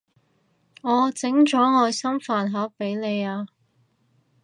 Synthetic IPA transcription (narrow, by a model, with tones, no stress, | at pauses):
ŋɔː˨˧t͡sɪ˨˥ŋt͡ʃɔː˨˥ŋɔː˨˧sɐ˥mfaː˨˧nɦɐː˨˥k̚pe˨˥jle˨˧jaː˧